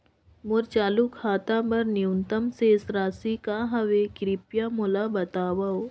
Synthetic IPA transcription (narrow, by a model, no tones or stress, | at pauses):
mʊɾt͡ʃaːlukʰaːt̪abɐɾniunt̪əmseɪsɾaːsikaːɦɐʋekɾipjamʊlabɐt̪aːʋao